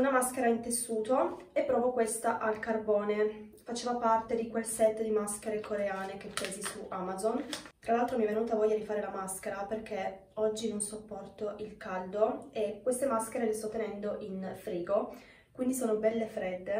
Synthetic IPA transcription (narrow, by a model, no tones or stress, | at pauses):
unamask̟eɾaint̪esːuːt̪oepːɾɔːvokwest̪aʔalkarbɔːne | fat͡ʃeːvopart̪ed̪ikwelsɛt̪ːd̪imask̟eɾekʰoɾeaːnekepːɛːzisuʔamazont̪ɾalːalt̪ɾomiɛvːenuːt̪avɔʎːad̪ifaːɾelamask̟eɾaperk̟e | ɔd͡ʒːinonsopːɔrt̪oʔilkald̪oekːwest̪emaskeɾelest̪ɔt̪ːenɛnd̪oʔinfɾiːɡo | kwind̪isoːnobɛlːefɾɛd̪ːe